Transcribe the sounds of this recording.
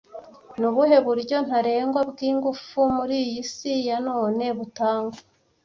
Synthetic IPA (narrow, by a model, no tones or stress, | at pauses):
nuβuɦe̞βuɾɟo̞n̥haɾe̞ːŋɡwabɡiːŋɡufumuɾiːjjisijano̞ːne̞βutaːŋɡa